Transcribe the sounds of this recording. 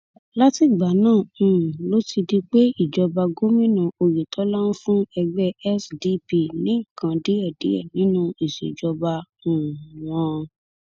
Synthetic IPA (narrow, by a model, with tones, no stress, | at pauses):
la˦ti˦˨ɡ͡ba˨˦nãː˦˨ũ˨lo˦ti˧di˧k͡pe˦i˦˨d͡ʒɔ˧ba˧ɡo˦mĩ˦nũ˧o˧je˨tʰɔ˨˦la˦nũ˦fũ˦ɛ˧ɡ͡bɛ˦ɛ˦sdi˦pi˧˨nĩ˨˦˨kã˧di˦ɛ˦˨dḭ˨˦ɛ̰˦˨nĩ˨˦nũ˧i˨ʃḛ˨d͡ʒɔ˧ba˧ũ˨w̃ɔ̃˧